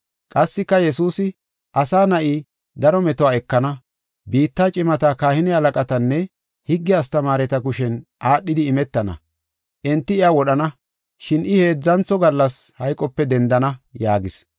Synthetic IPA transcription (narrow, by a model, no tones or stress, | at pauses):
kʼɐsːɪkːɐjɛsuːsɪ | ʔɐsaːnɐʔiː | d̪ɐɾɔmɛt̪ɔwaːɛkːɐnɐ | biːt̪ːaːt͡ʃʼɪmɐt̪ɐkaːhɪnɪhɐlɐkʼɐt̪ɐnːɛ | hɪɡːɪast̪ɐmaːɾɛt̪ɐkʊʃɛnʔaːɗːɪd̪ɪːmɛt̪ːɐnɐ̰ | ʔɛnt̪ːɪɪjawɔɗɐnɐ | ʃɪnʔɪhe̞ːd͡zːɐnt͡sɔɡɐlːɐshɐjkʼːɔpːɛd̪ɛnd̪ɐnɐjaːɡɪs